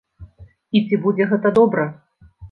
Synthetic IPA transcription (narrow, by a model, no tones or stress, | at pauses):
it͡sʲibud͡zʲɛɣɛt̪ɐd̪ɔbɾɐ